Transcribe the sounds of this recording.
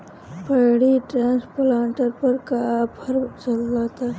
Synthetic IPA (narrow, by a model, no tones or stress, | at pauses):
pəɽiʈɾãːnsplãːɳʈəɾpəɾkaphɐɾt͡ʃɐlːat̪aː